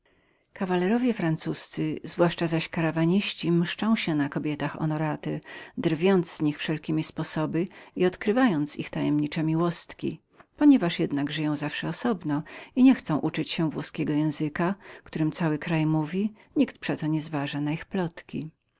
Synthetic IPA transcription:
kavalɛɾɔvʲjɛfɾant̪sust̪sɘzvwaʂt͡ʂazaɕkaɾavaɲiɕt͡ɕimʂt͡ʂɔ̃w̃ɕɛnakɔbʲjɛt̪axɔ̰nɔɾat̪ɛd̪ɾvʲjɔnt̪zz̥ɲixfʂɛlkʲimʲispɔsɔbɘiɔt̪kɾɘvajɔnt̪sḭxt̪ajɛmɲit͡ʂɛmʲiwɔst̪kʲḭ | pɔɲɛvaʂjɛd̪naɡʐɘjɔ̃w̃zafʂɛɔsɔbnɔiɲɛxt̪sɔ̃w̃ʔut͡ʂɘt͡ɕɕɛvwɔskʲɛɡɔjɛ̃w̃zɘkakt̪uɾɘmt̪sawɘkɾajmuvʲiɲikt̪pʂɛt̪ɔɲɛzvaʐanaixplɔt̪kʲḭ

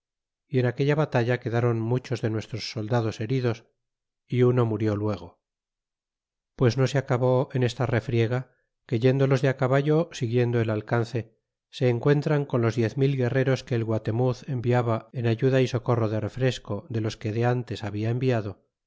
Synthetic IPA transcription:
ie̞nake̞ʎaβat̪aʎake̞ðaɾo̞nmut͡ʃo̞zðe̞nwe̞st̪ɾo̞sːo̞ld̪aðo̞se̞ɾiðo̞s | iuno̞muɾjo̞lwe̞ɣ̞o̞ | pwe̞zno̞seakaβo̞ene̞st̪are̞fɾje̞ɣ̞a | ke̞ʝe̞nd̪o̞lo̞zðeakaβaʝo̞siɣje̞nd̪oelalkanθe̞ | se̞ːŋkwe̞nt̪ɾaŋko̞nlo̞zðje̞θmilɣe̞re̞ɾo̞ske̞ːlɣwat̪e̞muθe̞mbiaβae̞naʝuðaiso̞ko̞roðe̞re̞fɾe̞sko̞ðe̞lo̞ske̞ðe̞ant̪e̞saβiae̞mbiaðo̞

